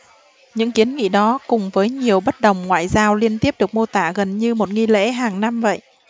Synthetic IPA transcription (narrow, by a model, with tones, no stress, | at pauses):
ɲɨ̰˧˥ŋki˨˦ənŋḭ˧˥ɗɔ˨˦kʊ˨˩ŋ͡mvəː˨˦jɲi˨˩əwɓə˦˥t̚ɗə˨˩wŋ͡mŋwa̰ː˧˨jzaː˧wli˧ənt̪i˦˥əp̚ɗɨ˨˩ək̚mo˧t̪aː˧˩ɣə˨˩nɲɨ˧mo˨˩t̚ŋi˧lḛ˧˥ɦaː˨˩ŋna˧mvə̰˧˨jʔ